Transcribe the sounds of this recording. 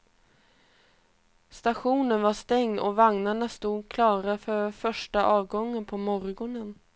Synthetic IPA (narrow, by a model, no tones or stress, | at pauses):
st̪aɧuːnənvaʂt̪ɛŋnɔ̰vaŋnaɳast̪uːd̪kʰlɑːɾafœɾfœʂʈaʔɑːvɡɔŋːənpʰɔmɔɾɡɔnən